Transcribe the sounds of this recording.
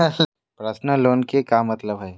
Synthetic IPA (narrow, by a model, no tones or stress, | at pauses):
pɾəsnəloːnkekjamɐt̪ləbɦɛː